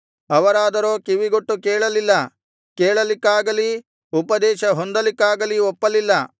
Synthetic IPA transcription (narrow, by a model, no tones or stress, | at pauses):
ɐʋɐɾaːd̪ɐɾo̞ːkiʋiɡoʈːukeːɭɐlilːɐ | keːɭɐlikːaːɡɐli | upɐd̪ɛːʃɐɦond̪ɐlikːaːɡɐliɔpːɐlilːɐ